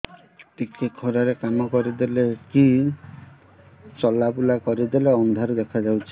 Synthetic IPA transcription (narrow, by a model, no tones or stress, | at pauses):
tikʰekʰɔɾaɾekamɔkɔɾid̪eleki | t͡ʃɔlabulakɔɾid̪eleɔnd̪ʱaɾud̪ekʰad͡ʒawt͡ʃʰi̥